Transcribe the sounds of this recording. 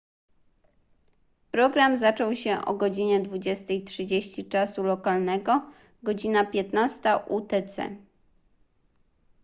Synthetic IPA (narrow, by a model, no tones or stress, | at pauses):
pɾɔɡɾamzat͡ʂɔwɕɛʔɔ̰ɡɔd͡ʑiɲɛd̪vud͡ʑɛst̪ɛjtʂɘd͡ʑeɕt͡ɕit͡ʂasulɔkalnɛɡɔ | ɡɔd͡ʑinapʲjɛt̪nast̪aʔut̪ɛt̪sɛ̰